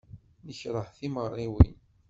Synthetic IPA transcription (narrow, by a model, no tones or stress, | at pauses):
nəçɾˤəħθimərˤːiwḭn